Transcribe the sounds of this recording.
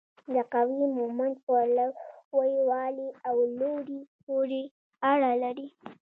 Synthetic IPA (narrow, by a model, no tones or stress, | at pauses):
d̪əqawimʊmand̪̚palawwajiwɑliawloɾipoɾe | aɽalaɾi